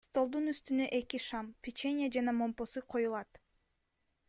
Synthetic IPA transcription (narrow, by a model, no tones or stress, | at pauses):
st̪o̞lˠd̪unyst̪ynøʔe̞kiʃampʲit͡ʃenʲɪjad͡ʒɑnɑmo̞mpo̞suqʰo̞julˠɑt̪